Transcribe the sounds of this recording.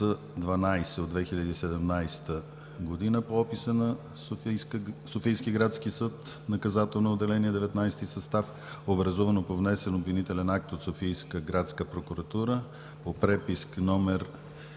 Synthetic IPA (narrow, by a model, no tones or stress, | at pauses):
ə | d̪vɐnajsɛod̪vɛxilʲəd̪iːsɛd̪ɛmnajst̪ə | ɡod̪inəpoɔpisənɐ | sofijskiɡɾat̪sk̟isət̪ | nɐkɐzat̪ɛlˠnood̪ːɛlɛniɛd̪ɛvɛt̪najst̪isɐst̪af | obɾɐzuvənopovnɛsɛnobvinit̪ɛlɛnak̚t̪ot̪sofijskəɡɾat̪skəpɾokuɾɐt̪uɾə | popɾɛpisknɔmɛɾ